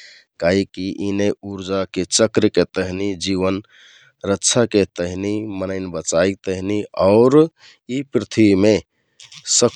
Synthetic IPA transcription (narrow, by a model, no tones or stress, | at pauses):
kaɦikiʔineuɾd͡ʒaket͡ʃəkɾket̪əɦnid͡ʒiʋən | ɾətːʃʰaket̪əɦinimənəɪnbət͡ʃaik̚t̪əɦiniaʊɾ | ipɾit̪ʰime | sə